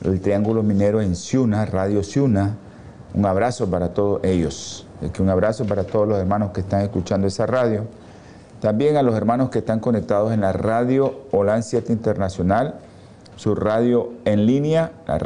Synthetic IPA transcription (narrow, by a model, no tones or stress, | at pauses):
ḛlt̪ɾiaŋɡulomĩne̞ɾoe̞nsjunaraðjo̞sjuna | ṵŋaβ̞ɾaso̞paɾat̪oðoeʝo̞s | ekeuŋaβ̞ɾasopaɾat̪oð̞olose̞ɾmãno̞skest̪aŋe̞skut͡ʃand̪oesaraðjo̞ | t̪ambje̞ŋalo̞se̞ɾmano̞skest̪aŋko̞ne̞k̚t̪að̞o̞se̞nlaraðjo̞ːlansjet̪int̪eɾnasjo̞nal | suraðjo̞enlinjala̰